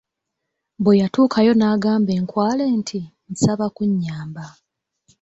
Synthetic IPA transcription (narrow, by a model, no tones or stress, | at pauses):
bwejatuːkʰajo̞naːɡaːmbe̞ːŋkwaːle̞ːntʰin̩saβakuɲːaːmba